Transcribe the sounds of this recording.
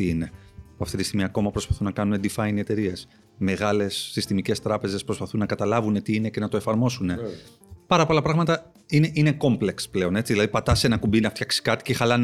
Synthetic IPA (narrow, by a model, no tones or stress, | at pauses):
iine̞ | poɐft̪it̪ist̪iɣmiɐko̞mɐpɾo̞spɐθunːɐkɐnuned̪ifɐiniet̪e̞ɾie̞s | me̞ɣɐle̞sːist̪imice̞st̪ɾɐpe̞ze̞spɾospɐθunːɐkɐt̪ɐlɐvune̞t̪iine̞ce̞nɐt̪o̞e̞fɐɾmo̞sune̞ | pɐɾɐpo̞lɐpɾɐɣmɐt̪ɐ | ineʔineko̞mple̞ksple̞o̞ne̞t͡siðilɐðipɐt̪ɐse̞nɐkumbinɐft̪çɐksi̥kɐt̪i̥cexɐlɐn